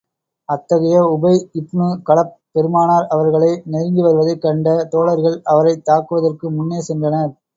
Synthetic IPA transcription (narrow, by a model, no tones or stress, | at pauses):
ɐt̪ːɐɣɐjɐʊbɐɪɪpɳɯkɐɭɐp | pːɛɾɯmaːnaːɾɐʋɐɾɣɐɭɐɪnɛɾɪŋɡ̪ɯʋɐɾɯʋɐðɐɪkːɐɳɖɐt̪oːɭɐɾɣɐɭɐʋɐɾɐɪt̪ːaːkːɯʋɐðɐrkɯmʊnːeːsɛndrɐnɐɾ